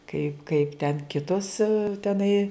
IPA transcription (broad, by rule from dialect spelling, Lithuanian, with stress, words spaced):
kɐɪp kɐɪp tʲɛn ˈkʲɪtoːs tʲɛˈnɐɪ